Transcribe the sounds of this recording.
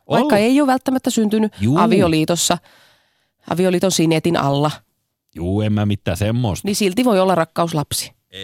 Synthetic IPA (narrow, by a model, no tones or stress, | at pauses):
ʋɑikːɑeioʋælt̪ːæmæt̪ːæsynt̪ynyʔɑʋioliːt̪osːɑ | ʔɑ̰ʋioliːt̪onsinet̪inɑ̰lːɑ | juːemmæmit̪ːæsemːoist̪nisilt̪iʋoiolːɑrɑkːɑuslɑpsi̥